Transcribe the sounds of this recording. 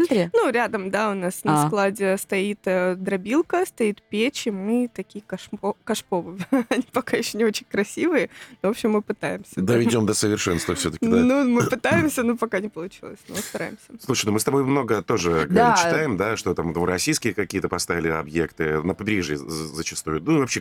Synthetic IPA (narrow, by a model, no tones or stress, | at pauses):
t̪ɾʲinuɾʲad̪əmd̪aʊnasnɐsklˠadʲɪst̪ɐit̪əd̪ɾɐbʲilˠkəst̪ɐit̪pʲet͡ɕɪmɨt̪ɐkʲijəkɐʂpokɐʂpovɨɐnʲipɐkajɪɕːonʲɪo̞t͡ɕɪnʲkɾɐsʲivɨjənvo̞pɕːɪmːɨpɨt̪ajɪmsʲəd̪əvʲɪdʲo̞md̪əsəvʲɪrʂɛnst̪vəfsʲɵt̪ə̥kʲɪd̪anumɨpɨt̪ajɪmsʲənopɐkanʲɪpəlˠʊt͡ɕilˠəsʲnost̪ɐɾa̰jɪmsʲəslˠuʂɨjnomɨst̪ɐbo̞jmno̞ɡət̪o̞ʐɨt͡ɕːɪ̥t̪ajɪmd̪aʂt̪ot̪amd̪vɾɐsʲijskʲɪjəkɐkʲijət̪əpɐst̪avʲɪlʲɪɐ̰bjekt̪ɨnəpɐbʲɾʲiʐjə̰zət͡ɕɪst̪ujʊnuivɐpɕe